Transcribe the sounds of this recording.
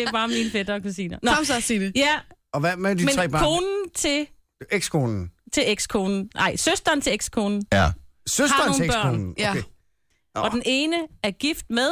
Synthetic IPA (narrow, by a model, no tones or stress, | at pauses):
e̝b̥ɑ̈ːminəfed̥ɐkʰusiːnɐnɑmsasiːdejæ | ɒʋæmæd̥imet͡snʰʁɛ̰ːbʰo̝ːnn̩t͡sʰe̝ | eɡ̥skʰo̝ːnn̩t͡sʰe̝eɡ̥skʰo̝ːnn̩nʔɑ̈ɪ̰søsd̥ɐnt͡sʰe̝eɡ̥skʰo̝ːnn̩søsɑd̥ɐob̥ɶɐ̰onn̩ | ɒ̽dene̝ːnəæɐɡ̥ifd̥̚meðˠ